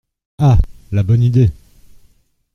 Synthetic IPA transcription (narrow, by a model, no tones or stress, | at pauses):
alabɔnid̪e